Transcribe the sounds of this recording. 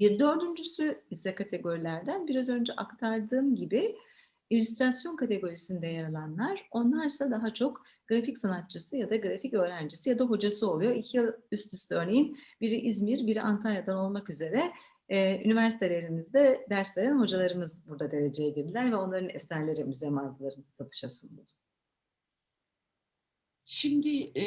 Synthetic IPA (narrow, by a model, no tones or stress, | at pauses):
biɾd̪ø̞ɾd̪ynd͡ʒysyisɛkʰat̪ʰe̞ɡo̞ɾilʲæɾd̪ænbiɾazø̞nd͡ʒɛʔakt̪ʰaɾd̪ɯːmɟibi | ilʲyst̪ɾasjo̞nkʰat̪ʰe̞ɡo̞ɾisind̪ɛjaɾalˠanlˠaɾ̥o̞nlˠaɾsad̪aɦat͡ʃʰo̞k | ɡ̥ɾaficsanat̪̚t͡ʃʰɯsɯjad̪aɡɾaficø̞ːɾænd͡ʒisijad̪aɦo̞d͡ʒasɯo̞lˠujo̞icʰijɯlˠyst̪ʰysø̞ɾne̞jinbiɾʔizmiɾbiɾant̪ʰanjad̪ano̞lˠmakyze̞ɾɛ | y̰nivæɾsi̥t̪ʰe̞lʲe̞ɾimizd̪ɛd̪æɾslʲed̪ænho̞d͡ʒalˠaɾɯmɯzbuɾd̪ad̪e̞ɾe̞d͡ʒe̞jɛɟiɾd̪ilʲæɾvɛo̞nlˠaɾɯnɛsæɾlʲe̞ɾiyzeɾmazɯlˠaɾɯnsat̪ʰɯ̥ʃasund̪ˠad̪ | ʃimd̪ɪ